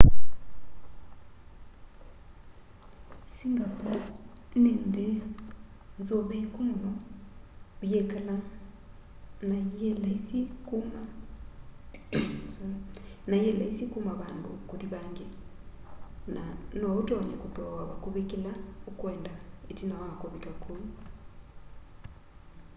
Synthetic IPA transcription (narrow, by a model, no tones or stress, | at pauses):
siŋɡapɔnende | nzoβekomɔlɔ | βjɛkala | najɛlaisikoma | najɛlaisikomaβaːndo̰koðiβaŋɡe | nanɔotɔɲɛ̰kotɔwaβakoβekelaokwɛːndaetinawakoβekakoi